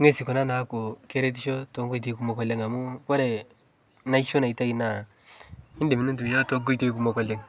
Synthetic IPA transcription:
ŋe˦si˨kɔ˨na˦na˨˦ko˨ke˦ɾe˦t̬i˦ʃo˦to˨˦ŋɡo˦jt̬e˨˦ku˨mo˨kɔ˨le˦ŋa˨mu˦kɔ˦ɾe˨ | na˦i˦ʃo˦na˨i˨ta˦i˨na˨ | ɪ˦nde˨mi˨ne˦tu˨mi˨ja˦to˦ŋɡo˦jte˦ku˨mo˨kɔ˨le˨ŋ

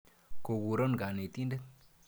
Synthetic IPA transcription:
ko˨ɡu˨ɾo˦nɡa˨ne˨t̪i˦nde˦t

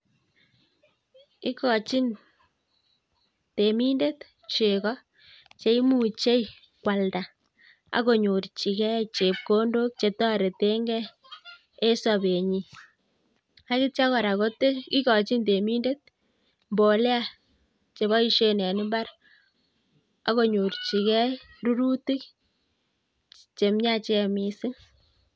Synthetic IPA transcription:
ki˦kɔ˨t͡ʃi˦n | te˨mi˦nde˦t | t͡ʃe˨kɔ˦ | t͡ʃe˨˦i˦mu˦˨t͡ʃe˦j | kwa˨lda˨ | a̰˨˦ko˨ɲu˨rt͡ʃi˨kɛ˦t͡ʃe˨p̚ko˦ndo˦k̚t͡ʃe˨tɔ˦ɾe˨te˦ŋɡɛ˦ | e˦sɔ˨be˨ɲi˨ | a˦kɪ˦t͡ʃa˦kɔ˨ɾa˨ko˦te˦ki˦kɔ˨t͡ʃi˦nde˨mi˦nde˦t̚ | mbo˨le˦a˦ | t͡ʃe˨βa˦i˦ʃe˦nɛ˨nɪ˦mba˦ɾ | a̰˨˦ko˨ɲo˨rt͡ʃi˨kɛ˦ | ru˦ɾu˦ti˦k | t͡ʃe˨mɲa˦t͡ʃe˨˦˨mi˨sɪ˦ŋ

